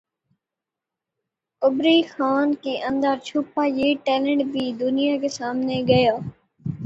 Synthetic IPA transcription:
ʊbɾiːxaːnkeːʔə̃nd̪əɾt͡ʃʰupaːjeːʈeːlə̃ɳʈbʱiːd̪ʊnɪjaːkeːsaːmneːɡəjaː

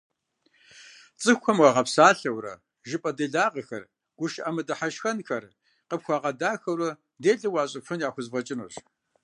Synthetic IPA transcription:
t͡sʼɨxʷɔmwɐʁɐpsaːɬɐwrɐ̰ | ʒɪpʼɐdeːɮaːqəxɐ̰r | ɡ̥ʷʊʃʔɐmɨdɐħaʃxɐnxɐr | qəpxʷaːʁɐdaːxɐwɾɐ | deːɮɨwaːɕʼɪfʊnjaːxʷʊzvɐt͡ʃʼɪnṵɕ

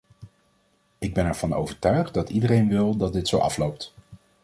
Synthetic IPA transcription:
ɪɡ̚bɛnɛɹv̥ɑno̰wvəɹtœɥχt̚dɑtidərejnʋɪlˠdɑt̚dɪtsowʔɑ̰flowp̚t

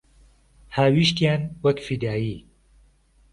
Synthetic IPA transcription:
haːwiʃt̪jaːnwɐkfid̪aːjiː

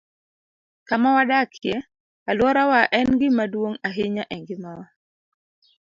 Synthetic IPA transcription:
kamawadakʰjɛ | alwɔɾawaʔɛnɡɪmadwoŋaɦɪɲaʔɛŋɡɪmawa

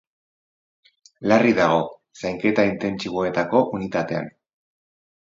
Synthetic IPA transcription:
lariðaɣ̞o̞ | sajŋke̞t̪aint̪e̞nt͡siβ̞o̞e̞t̪ako̞ʔunit̪at̪e̞a̰n

